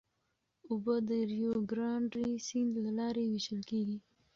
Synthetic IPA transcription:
ʊbəd̪əɾjoɡɾɑɳɖisind̪lalɑɾewiʃəlkeɡi

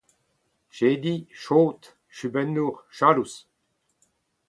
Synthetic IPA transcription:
ʃeːd̪iʃoːt̪ | ʃybɛnːuʁʃaːlus

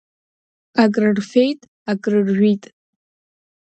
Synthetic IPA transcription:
akʼrɨrfejtʼ | akʼrɨrʒʷᶣitʼ

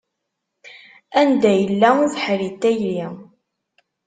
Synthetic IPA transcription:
ænd̪æjəlːæðħɾit̪ːæjli

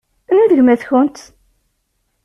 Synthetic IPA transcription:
niðəʝmæθçʊnt̪

